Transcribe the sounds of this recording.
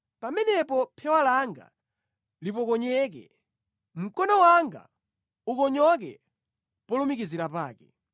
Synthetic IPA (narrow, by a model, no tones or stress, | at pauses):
pamɛnɛpɔpʰɛwalaŋɡa̰ | lipɔkɔɲɛk̬ɛ̰ | m̩kɔnɔwaŋɡa̰ | ukɔɲɔk̬ɛ̰ | pɔlumikiziɾapaːkɛ̰